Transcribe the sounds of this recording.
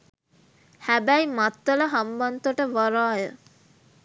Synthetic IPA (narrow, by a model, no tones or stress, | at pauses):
hæbæjmat̪ːələɦambant̪oʈəʋaɾaːjə